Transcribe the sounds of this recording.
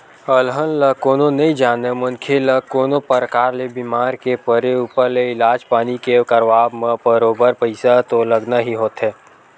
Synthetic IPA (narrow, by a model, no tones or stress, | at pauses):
əlɦənləkoːnõnɐɦĩd͡ʒaːnemʊnkʰeləkoːnopəɾəkaːɾlebiːmaːɾkepəɾeuːpəɾleɪlaːd͡ʒpaːnikekəɾʋaːbmẽbəɾoːbəɾpəɪsat̪oləɡnaɦiɦoːt̪ɦɛː